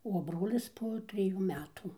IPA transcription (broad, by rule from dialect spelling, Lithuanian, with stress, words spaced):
oː ˈbroːlʲɪs poː tʲrʲɪˈjuː ˈmʲæːtuː